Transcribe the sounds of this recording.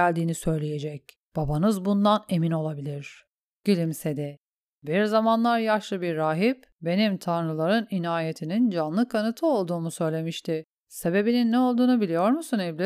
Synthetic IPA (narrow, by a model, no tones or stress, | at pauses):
ælʲd̪iːnisø̞jlʲeje̞d͡ʒɛc̚ | b̥abanɯzbund̪ane̞mino̞lˠabilʲiɾ̥ | ɟ̥ilʲimse̞d̪ɛ | biɾzamanlˠaɾjaʃlˠɯbiɾːaːɦip | be̞nimt̪ʰanɾɯlˠaɾɯninaːjet̪ʰinind͡ʒanlˠɯkʰːanɯt̪ʰɯo̞lˠd̪uːmusø̞jlʲe̞miʃt̪ʰɪ | se̞be̞bininːɛo̞lˠd̪uːnubilʲijo̞ɾmusunevlʲi